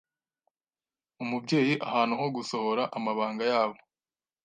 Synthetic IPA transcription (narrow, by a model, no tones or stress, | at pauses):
umubɟe̞ːjiʔahaːnuɦo̞ɡuso̞ho̞ɾaʔamaβaːŋɡajaːβo̞